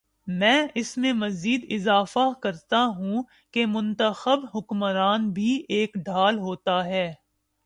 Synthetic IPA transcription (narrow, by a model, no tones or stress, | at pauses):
mɛ̃ːʔɪsmẽmɐziːd̪ɪzaːfakɐɾt̪aɦũ | kemʊ̃nt̪əxəbɦʊkməɾaːnbʱiʔeːkɖʱaːlɦoːt̪aɦɛː